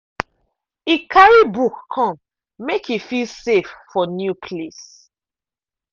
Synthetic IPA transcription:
ikʰaɹibukːʰɔ̃m | mekifilseffɔnjupʰles

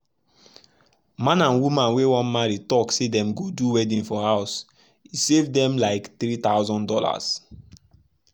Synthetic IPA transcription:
mãnãnwumãnwewɔ̃nmaɹitɔksedɛ̃mɡoduwɛdĩnfɔhaʊs | isevdɛ̃mlaɪkθɹit̪aʊzɔ̃ndɔla̰s

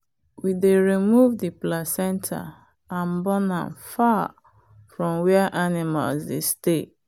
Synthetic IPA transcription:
wideɹimuvdiplasɛ̃ntʰa̰ | ãnbɔnã̰nfa | fɹɔ̃mwɛaʔanima̰lzdeste

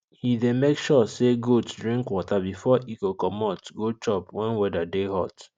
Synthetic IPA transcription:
hidẽmekʃɔseɡotdɹĩŋkwɔtabifɔʔikokɔmɔtɡot͡ʃɔpwɛ̃nwɛdadehɔt

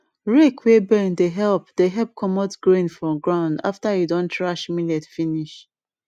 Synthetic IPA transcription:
ɹekʰwebɛ̃ndeɦɛlpd̥eɦɛlp̚kʰɔmɔtɡɹẽnfɹɔ̃ɡɹãʊ̃nda̰ftajudɔ̃ntʰɹaʃmilɛtfiniʃ

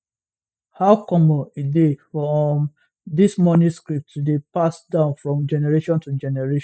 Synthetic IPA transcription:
haʊkɔmɔ̃nidefɔm | dismɔ̃njuskɹip̚tudepasdãʊ̃nfɹɔ̃md͡ʒɛnɛɹeʃɔ̃ntud͡ʒɛnɛɹeʃ

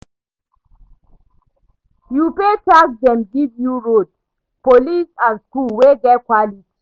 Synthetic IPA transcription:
jupetaɡdɛ̃mɡivjuɹod | polisazskulweɡɛtkwaliti̥

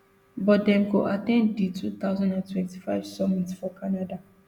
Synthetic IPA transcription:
bɔtdɛ̃mɡoʔatɛ̃nditʰut̪aʊzãndãntʰwɛ̃nti̥faɪv̥sɔmĩtsfɔkʰanada

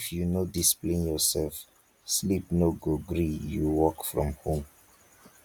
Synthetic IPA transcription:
ifjunodisplẽnjɔsɛlf | slipnoɡoɡɹijuwɔkfɹɔ̰̃mhõm

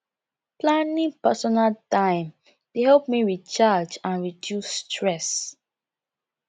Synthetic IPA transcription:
plãnĩŋpɛsɔnaltãɪ̃m | tehɛlp̚miɹit͡ʃad͡ʒãnɹidjusːtʰɹɛs

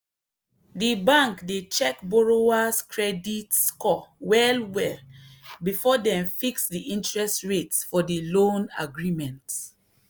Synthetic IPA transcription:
dibãŋkdet͡ʃɛkbɔɹoaskʰɹɛditskɔwɛlwɛlbifɔdɛ̃mfiksdiʔĩntɹɛstɹetsfɔdilõna̰ɡɹimɛ̃nt

